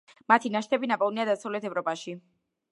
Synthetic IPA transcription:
mat̪ʰinaʃt̪ʰɛbinapʼɔlˠniad̪asavlɛt̪ʰɛvɾɔpʼaʃi

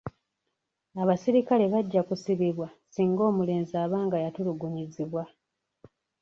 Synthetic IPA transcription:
aβasiɾikale̞βaɟːakusiβiβwasiːŋɡo̞ːmule̞ːnzaːβaːŋɡajatuluɡuɲiziβwa

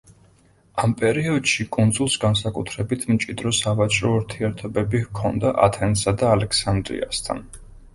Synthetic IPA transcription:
ampʼɛɾiɔd̪ʃikʼund̪zulˠsɡansakʼut̪ʰɾɛbit̪ʰmt͡ʃʼid̪ɾɔsavat͡ʃʼɾɔuɾt̪ʰiɛɾt̪ʰɔbɛbihkʰɔnd̪aʔa̰t̪ʰɛnsad̪aːlɛkʰsand̪ɾḭa̰st̪ʰa̰n

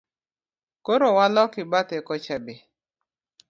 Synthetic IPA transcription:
koɾowalɔkɪbat̪ɛkɔt͡ʃabe

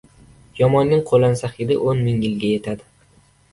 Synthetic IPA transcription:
jɒmɒnːɪŋqʰolansaχɪd̪ɪ̰ʔonmɪŋjɪlɡʲaje̞t̪ʰad̪ɪ

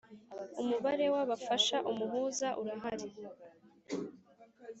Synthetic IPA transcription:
umuβaɾe̞waβafaʃaʔumuɦuːzaʔuɾaɦaɾi

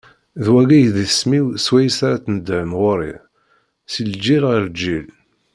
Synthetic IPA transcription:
ðwæɡæjðiθsmiwswæjsaɾat͡snəd̪ʕənʁʊɾḭ | sild͡ʒːiɾʁəɾd͡ʒil

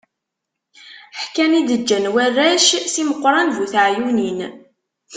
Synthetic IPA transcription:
ħkænid̪əd͡ʒːænwærːæʃsiməqːɾˤɑnðuθʕjunin

